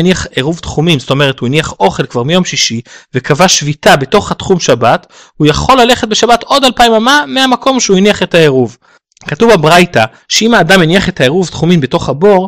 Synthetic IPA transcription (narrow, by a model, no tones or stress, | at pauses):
niaχeʁuvt̪χumimzto̞me̞ʁ̞ethuiniaχo̞χe̞lkv̥aʁmijo̞mʃiʃivekavaʃvitabe̞to̞χhatχumʃabat | hujaχo̞lːale̞χet̚be̞ʃabato̞dalpaimamameamako̞mʃeuiniaχetaeʁuv | katuvabʁajta | ʃeimaːdameniaχetaeʁuvtχumimbeto̞χhabo̞ʁ